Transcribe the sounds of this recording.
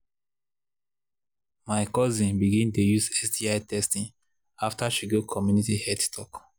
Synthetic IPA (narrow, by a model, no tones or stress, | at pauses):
maɪkɔzĩnbiɡĩntojuzɛsdiaɪtɛstĩn | aftaʃiɡokʰɔmjunitihɛdstʰɔk